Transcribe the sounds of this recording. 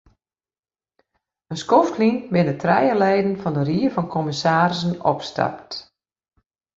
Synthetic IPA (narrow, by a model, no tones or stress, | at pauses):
ənskoftlinbɪnətrɛ̰jəlɛjdən̩fɔndəriəfɔnkʰɔməsaːrsənɔ̰pstʰa̰p̚t